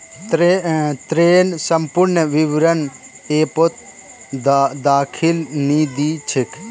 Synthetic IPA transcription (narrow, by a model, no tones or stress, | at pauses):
t̪ɾeːnsɐmpʊɾnəʋiʋɾɐn | eːpot̪̚ | d̪aːkʰilniːd̪iːt͡ʃʰɪk